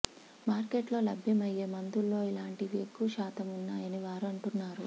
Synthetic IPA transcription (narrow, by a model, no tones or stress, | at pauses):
maːɾkeːʈlo̞ːlɐbʱjɐmɐjːe̞ːmɐnd̪ulːo̞ːilaːɳʈiʋekːuʃaːt̪ʰɐmunːaːjɐniʋaːɾuɐɳʈunːaːɾu